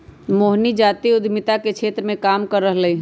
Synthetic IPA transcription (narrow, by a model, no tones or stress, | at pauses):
moːɦnid͡ʒaːt̪iʊd̪ʱmɪt̪akekʃʰeːt̪ɾəmẽkaːmkɐɾːəɦləiː